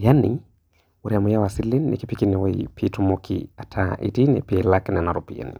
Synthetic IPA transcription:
jani | uɾiamujawasilinːḭkipikinɛwaipʰitumokʰḭatʰaʔḭtinɛ̰pelaknɛnaɾɔpija̰nḭ

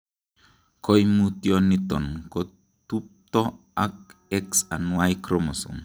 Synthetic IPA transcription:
kojmutjonit̪ɔ̰nko | t̪up̚t̪ɔ | ak̚ɛksanuajkɾomɔsṵŋ

